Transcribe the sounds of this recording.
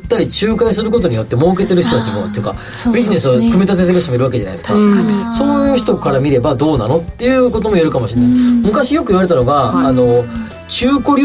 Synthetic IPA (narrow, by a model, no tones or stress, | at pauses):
t̪ːaɾʲit͡ɕɨːkaĩs̬ɨɾɯ̟ko̞t̪̬o̞ɲ̟ijo̞t̪ːe̞mo̞ːk̬e̞t̪e̞ɾɯ̟ç̥it̪o̞t̪at͡ɕimo̞̰t̪ejɯka̰ | bʲiʑine̞sɨokɯ̟mʲit̪at̪et̪eɾɯ̟ɕt̪omiɾɯβake̞ʑana̰jd̪eskaso̞ːj̟ɯːçi̥t̪o̞kaɾamʲiɾe̞bad̪o̞ːna̰no̞t̪ːe̞jɯ̟ːko̞t̪o̞mo̞jeɾɯ̟kamo̞ɕĩnːaimɯ̟kaɕijo̞kɯ̟iβaɾe̞t̪ano̞ɡaːno̞ | t͡ɕɨːko̞ɾʲ